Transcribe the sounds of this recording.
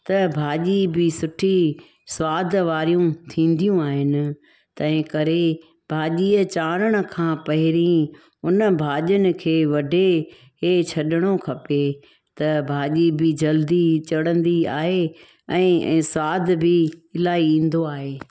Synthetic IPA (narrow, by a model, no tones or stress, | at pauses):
t̪ɐbʱaːʄibɪsʊʈʰi | swaːd̪ʱʋaːɾijũt̪ʰĩːn̆d̪ijũaːɦɪnɪ̆ | t̪ɐ̃ɦɪ̃kɐɾe | bʱaːʄiːət͡ɕaːɾəɽ̃ə̆kʰãːpɐɦɪɾĩ | ʊnə̆bʱaːʄʊnɪ̆kʰeːʋɐɖʱe | ɦet͡ɕʰɐɗɪɽ̃okʰɐpe | t̪ɐbʱaːʄibɪd͡ʑɐld̪it͡ɕɐɽə̃nd̪iaːɦe | ɛ̃ːɛ̰̃ːswaːd̪ʱbɪɪlaːiĩːn̆d̪oaːɦeː